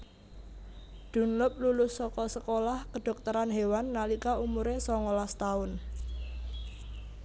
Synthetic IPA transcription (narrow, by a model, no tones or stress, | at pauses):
d̪̥ṳnlʊp̚lulʊsɔkɔsəkolahkəɖ̥ɔ̤k̚t̪əɾanɦewanːalikaumuɾesɔŋɔlast̪aʊn